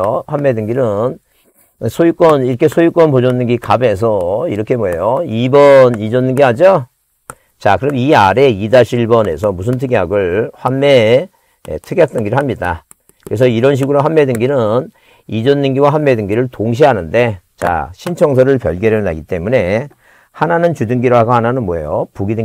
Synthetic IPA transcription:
ohanmːe̞dɯŋɡinɯn | sʰojuk͈wʌniɾʌkʰe̞sʰojuk͈wʌnpod͡ʑʌnːɯnɡikabe̞s̬ʰʌiɾʌkʰe̞moejoibʌnid͡ʑʌnːɯnɡiɦad͡ʑo | t͡ɕakɯɾʌmiaɾe̞idaɕʰiɭbʌne̞̰sʰʌmus̬ʰɯntʰɯɡeaɡɯɭɸwanme̞ | ḛtʰɯɡeak̚t͈ɯnŋɡiɾɯɭhamɲida̰ | kɯɾe̞s̬ʰʌiɾʌnɕ̬ʰiɡɯɾoɸwanmːe̞dɯŋɡinɯn | id͡ʑʌnːɯnɡiwaɸwanme̞dɯŋɡiɾɯɭtoŋɕ̬ʰiɦanɯnde̞ | t͡ɕa̰ɕʰint͡ɕʰʌŋs̬ʰʌɾɯɭpjʌɭɡʌɾeʌna̰ɡit͈e̞mune̞ | hananɯnt͡ɕudɯŋɡiɾoɦaɡohananɯnmwʌḛjopuɡidɯ

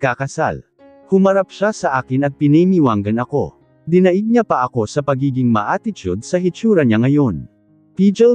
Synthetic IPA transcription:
akɐsa̰l | hʊmɐɾap̚ʃasɐʔaːkɪnɐɡ̚pɪnɛjmiwaŋɡɐnɐko̞̰ | d̪ɪnɐʔɪɡ̚ɲapɐʔɐko̞sɐpɐɡiːɡɪŋmɐʔaːt̪ɪt͡ʃud̪̚sɐɦɪt͡ʃuːɾɐɲaŋɐjo̞n | piːd͡ʒɛl

